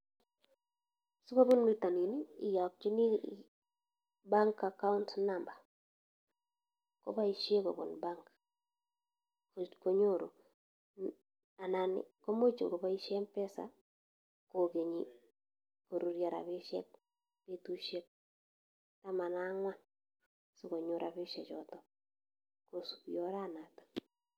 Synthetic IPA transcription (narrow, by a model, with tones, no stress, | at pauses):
su˦ko˦bu˦nmi˦ta˨ni˨niː˦˨ja˨k̚t͡ʃi˦ni˦ | ba˦ŋka˨ka˦ʊ˦ntna˨mba˨ | ko̰˦ba˦i˨ʃje˦ko̰˨bo̰˨nba˦ŋk | ko˦ɲo˦˨ɾo̰˨ | a˨na˨nɪ̰˨ko˦mo˦t͡ʃi˨ŋɡo˨βa˦i˦ʃɛ˦mpɛ˦sa̰˨ | ko˨ke˨ɲi | ko˨ɾu˨ɾja˨ɾa̰˨βe˦ʃɛ̰˦k̚ | be˦tu˦ʃjɛ˦k̚ | ta˦ma˨na˦ŋwa˦n | su˦ko˨ɲo˨ɾʔa˨βɪ˦ʃɛ˨t͡ʃɔ˨tɔ˨ | ko˨su̥˨pjɔ˦ɾa˦na˨to̥˨